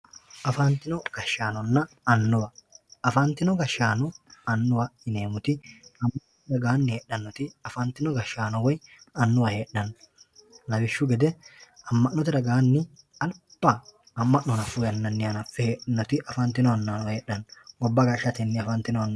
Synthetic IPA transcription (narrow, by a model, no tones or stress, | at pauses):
ʔɐfɐnt̪ːɪnɔɡ̥ɐʃːaːnɔnːɐ | ɐnːʊwɐɐfɐnt̪ːɪnɔɡɐʃːaːnɔɐnːʊwɐɪne̞ːmʊt̪ɪɐmːɐʔnɔt̪ɾɐɡaːnːɪheːɗːɐnːɔt̪ɪɐfɐnt̪ːɪnɔɡɐʃːaːnɔwɔj | ɐnːʊwɐhe̞ːɗːɐn | lɐbɪʃːʊɡɛd̪ɛɐmːɐʔnːɔt̪̬ɪɾɐɡaːnːɪ | ɐlpːɐ | ɐmːɐʔnɔnɐfʊjɐnːɐnːɪjɐnɐfːɛheːɗnːɔt̪ɪʔɐfɐnt̪ːɪnɔɐnːanɔwɐheːɗːɐnɡɔbːɐɡɐʃːɐt̪ɪnːɪɐfɐnt̪ːɪnɔɐnː